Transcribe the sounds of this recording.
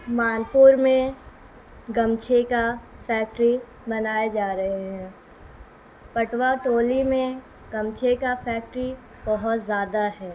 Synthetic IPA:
maːnpuːɾmẽ | ɡɐmt͡ʃʰekafɛːk̚ʈɾi | bɐnaːed͡ʒaːɾɐɦeɦɛ̃ː | pɐʈwaʈoːlimẽ | ɡ̥ɐ̃mt͡ʃʰekafɛːk̚ʈɾi | bɐɦʊt̪zjaːd̪aɦɛː

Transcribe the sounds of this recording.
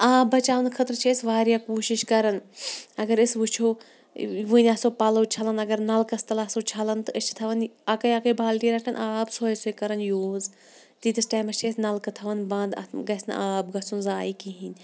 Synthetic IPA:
aːbɐt͡ʃaːʋɐnkʰɐt̪ɾt͡ʃʰeːsʋaːɾjaːkuːʃiʃkɐɾɐnɐɡɐɾisʋɨt͡ʃʰo | ʋɨnʲɐsopɐlɐwt͡ʃʰɐlɐnɐɡɐɾnɐlkɐst̪ɐlɐsot͡ʃʰɐlɐnt̪ɨɨt͡ʃʰt̪ʰɐʋɐnɐkɐjɐkɐjbaːlʈiːɾɐʈʰɐnʔaːbsoːjesoːjkɐɾɐnjoːz | t̪iːd̪ɨsʈaːjmɐt͡ʃʰeːsnɐlkɨt̪ʰɐʋɐnbɐ̃ːnd̪ɐ̰ɡɐsnɨ̰ʔaːb̚ɡɐsunzaːikiɦinʲ

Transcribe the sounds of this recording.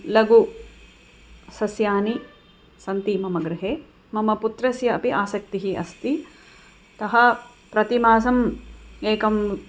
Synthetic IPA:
lɐɡu | sɐsjaːni | sɐnt̪imɐmɐɡɾɪɦeː | mɐmɐput̪ɾɐsjɐːpiʔaːsɐk̚t̪iɦiɐ̰st̪i | t̪ɐɦɐ̆ | pɾɐt̪imaːsɐmeːkɐm

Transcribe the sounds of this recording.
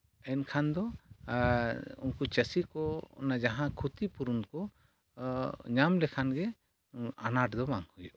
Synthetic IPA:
ɛnkʰand̪ɔ | unkut͡ʃəsikɔɔ̰nad͡ʒaɦãkʰut̪ipuɾunkɔ | ɲamlɛkʰanɡɛ | a̰naʈd̪ɔbaŋhujuʔ

